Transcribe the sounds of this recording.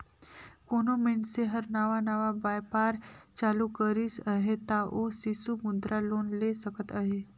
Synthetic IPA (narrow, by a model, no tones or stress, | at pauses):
koːnomẽɳʈseɦəɾnaːʋanaʋabaːjpaːɾt͡ʃaːlukəɾisəɦet̪aʔoːsisumʊd̪ɾʔaloːnlesəkət̪əɦe